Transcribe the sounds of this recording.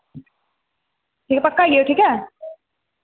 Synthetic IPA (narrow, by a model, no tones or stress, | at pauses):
ʈʰiːkɛpɐkːajioʈʰiːkɛ